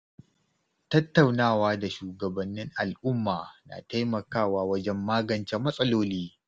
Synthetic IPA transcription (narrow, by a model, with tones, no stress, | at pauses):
tɐ˦tːa˨wnaː˦˨waː˦da˨ʃuː˨ɡɐ˨bɐ˨nːɪ˦ŋʔa˨lʔʊ˦mːaː˨na̰ː˨ta˦jmɐ˨kaː˦˨waː˦wɐ˦d͡ʒɛ˦mːaː˦ɡɐ˨nt͡ʃɛ˦mɐ˦sʼɐ˦loː˦liː˦